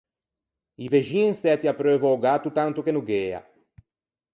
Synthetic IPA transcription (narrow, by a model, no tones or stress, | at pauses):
iveʒiŋst̪ɛt̪iapɾøvaoɡat̪ut̪ãnt̪ukenuɡea̰